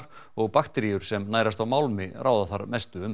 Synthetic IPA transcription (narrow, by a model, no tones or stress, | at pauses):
ɾɔɣpaxt̪ɛɾijʏɾ̥sɛmnaːjɾast̪awmaːwlmɪraːwðaθaɾmɛst̪ʏʏm